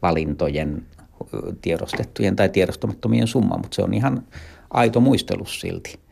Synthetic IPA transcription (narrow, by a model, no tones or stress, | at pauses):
ʋɑlint̪ojen | t̪ieɾost̪et̪ːujent̪ɑit̪ieɾost̪omɑt̪ːomiḛnsumːɑ̰mmut̪seo̰nihɑnʔɑit̪omuist̪ḛlussḭlt̪i̥